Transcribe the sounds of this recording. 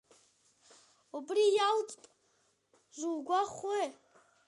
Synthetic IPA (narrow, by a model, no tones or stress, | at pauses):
ubrijaltʼpʼ | ʒʷulɡʷaχwe